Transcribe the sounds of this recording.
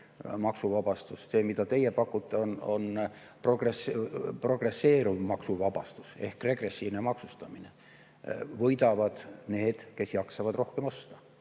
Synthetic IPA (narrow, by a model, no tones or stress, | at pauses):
mɑksuvɑb̥ɑst̪usse̞ːmid̪ɑt̪e̞jepɑkːut̪ˑːeono̞̰n | pro̞ɡ̥respro̞ɡ̥re̞sːe̞ːɾuvmɑksuvɑb̥ɑst̪u̥se̞̰hkre̞ɡre̞sʲːivnemɑksust̪ɑmine̞ | vɤjd̪̥ɑvɑd̪̥ne̞ːd̪̥ke̞sjɑksɑvɑd̪̥ro̞hkemo̞st̪ɑ̥